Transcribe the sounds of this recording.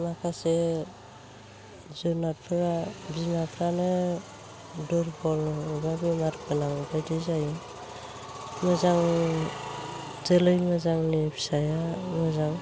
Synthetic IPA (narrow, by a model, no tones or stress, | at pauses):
makʰase | zɔnapʰɾabimapʰɾanɯ | dɔɾbɔlnɔibabimaɾpʰɯnaŋbajdɯzaj | mɯzaŋ | zelɯjmɯzaŋnibi̥sajamɯzaŋ